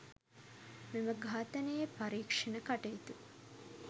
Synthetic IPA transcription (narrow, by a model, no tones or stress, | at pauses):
miməɡʱaːt̪ənəjepaɾiːkʂɐnəkaʈejt̪u